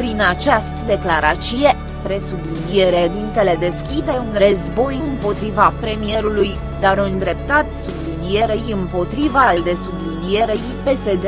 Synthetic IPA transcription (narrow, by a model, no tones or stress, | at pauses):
pɾinat͡ʃast̪əd̪e̞klaɾat̪sije | pɾe̞sublid̪ie̞ɾed̪int̪e̞le̞d̪e̞skʲid̪e̞unrəzbo̞jɨɨmpo̞t̪ɾivapɾe̞mije̞ɾuluj | d̪aɾund̪ɾe̞pt̪at̪sublilie̞ɾejɨmpo̞t̪ɾivalld̪e̞sublid̪ie̞ɾejpe̞se̞d̪e